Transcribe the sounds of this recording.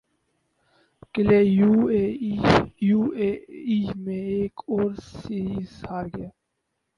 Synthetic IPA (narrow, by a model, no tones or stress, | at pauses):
kɪleːjuːe | juːeːimẽeːkoːɾsiiːshaːɾɡɪjaː